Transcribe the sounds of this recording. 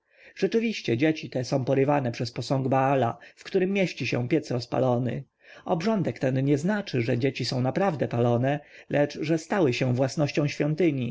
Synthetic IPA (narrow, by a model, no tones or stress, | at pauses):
ʐ̥ɛt͡ʂɘvʲiɕt͡ɕɛd͡ʑet͡ɕit̪ɛsɔ̃w̃pɔɾɘvanɛpʂɛspɔsɔ̃ŋɡbaala̰fkt̪uɾɘmːjeɕt͡ɕiɕɛ̰̃pʲjɛt̪sɾɔspa̰lɔnɘ̰ | ɔbʐɔnd̪ɛkt̪ɛnɲɛznat͡ʂɘʐɛd͡ʑet͡ɕisɔ̃w̃napɾavd̪ɛpalɔnɛlʔɛt͡ʂʐɛst̪awɘɕɛ̃vwasnɔɕt͡ɕɔ̃w̃ɕfʲjɔnt̪ɘɲi